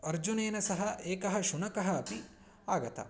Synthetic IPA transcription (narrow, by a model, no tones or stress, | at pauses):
ɐɾd͡ʒuneːnɐsɐɦɐʔeːkɐɦɐʃunɐkɐɦɐːpi | aːɡɐt̪ʰɐ̰